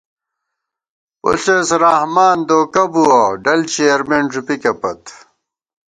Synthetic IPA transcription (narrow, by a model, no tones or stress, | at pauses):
o̰ɬesɾahmaːnd̪oːkɐbuaɖɐlt͡ɕejɐɾmenʐupikɐpɐt̪